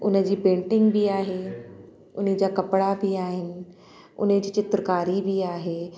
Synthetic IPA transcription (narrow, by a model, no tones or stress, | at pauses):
ʊnə̆d͡ʑiːpẽːɳʈɪ̃ŋɡbʱiaːɦeː | ʊnid͡ʑaːkɐpɽabʱiaːɦɪnɪ̆ | ʊ̰nd͡ʑiːt͡ɕɪt̪ɾəkaːɾibʱiaːɦeː